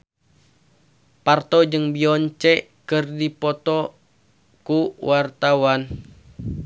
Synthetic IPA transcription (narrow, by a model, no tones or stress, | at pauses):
part̪ɔd͡ʒɨŋbiɔɲt͡ʃɛ | kɨrdipɔt̪ɔ | kuwart̪awan